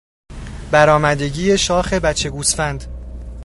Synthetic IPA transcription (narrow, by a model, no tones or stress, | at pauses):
bæɾɒːmæd̪e̞ɟiːje̞ʃɒːxe̞bæt͡ʃʰe̞ɡuːsfænd̪